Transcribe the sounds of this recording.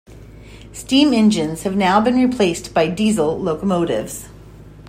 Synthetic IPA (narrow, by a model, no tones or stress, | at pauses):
stĩmɪ̃nd͡ʒɨ̃nz̥hɨvnaʊbɨ̃nɹipʰl̥eɪsb̥aɪdizl̩ˠloʊkəmoʊɾɪ̰vz̥